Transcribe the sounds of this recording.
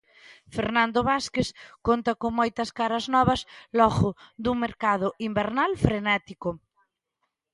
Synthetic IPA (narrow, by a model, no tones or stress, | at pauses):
feɾnãnd̪oβaskeskont̪ɐkoŋmojt̪ɐskaɾɐznɔβɐslɔɣʊðuŋmeɾkað̞ʊʔimbeɾnalfɾenɛt̪ikʊ